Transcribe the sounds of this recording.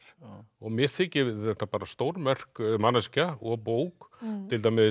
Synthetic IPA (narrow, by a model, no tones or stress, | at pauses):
ɔɣmjɛɾ̥θɪcɪvɪðθɛht̪ːapaːɾast̪owɾmɛr̥kmanascaɔɣpoːwkt̪ʰɪlt̪aːjmɪ